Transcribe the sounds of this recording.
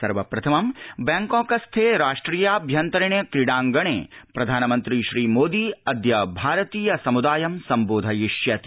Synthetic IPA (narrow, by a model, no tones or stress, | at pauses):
sɐɾʋɐpɾɐt̪ʰɐmɐmbɛ̃ːŋkõːkɐst̪ʰeːɾaːʂʈɾiːjaːbʱjɐnt̪ɐɾɐɳjɐkɾɪɽãːŋɡɐɳ̃ḛːpɾɐd̪ʱaːnɐmɐnt̪ɾiʃɾiːmoːd̪iːɐd̪jɐbʱaːɾɐt̪iːjɐsɐmud̪aːjɐmsɐmboːd̪ʱɐjiʃjɐt̪